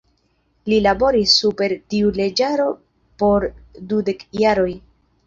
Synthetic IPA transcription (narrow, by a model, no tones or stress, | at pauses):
lilabo̞ɾisːupe̞ɾtiule̞d͡ʒaɾo̞ | po̞ɾdude̞kjaɾo̞j